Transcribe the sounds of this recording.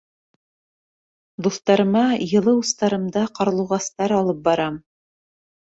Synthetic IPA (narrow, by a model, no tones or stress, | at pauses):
d̪uθt̪ɑɾɤ̆mɑjɤ̆lˠɤust̪ɑɾɤ̆md̪ɑqɑɾ̆lˠɤ̆wʁɑst̪ɑɾɑlˠɤp̚bɑɾɑm